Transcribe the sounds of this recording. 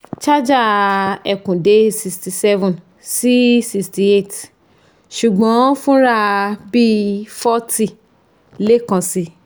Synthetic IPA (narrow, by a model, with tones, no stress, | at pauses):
t͡ʃa˦d͡ʒa˦˧ɛ˨kũ˨de˨˦si˧sti˨sɛ˦vɔ̃˨n | si˦si˧sti˧e˦˨t | ʃu˨ɡ͡bɔ̃˨˦fũ˦ɾa˧bi˦fɔ˦ti˦˨ | le˦kã˧si˧˦